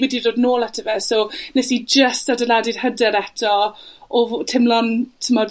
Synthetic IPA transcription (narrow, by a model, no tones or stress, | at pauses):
wɛdiroːdnoːlˠatʰəvɛsonɛsid͡ʒəstadəladɪr̥hədɛɾɛtʰɔɔvtʰɪmlˠɔntʰəmɔd